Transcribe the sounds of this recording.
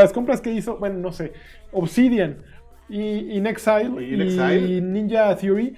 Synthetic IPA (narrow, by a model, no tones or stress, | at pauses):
asko̞mpɾaske̞iso̞bwe̞nono̞se̞ | oβsiðjan | iːneksajlinĩnd͡ʒaθjuɾi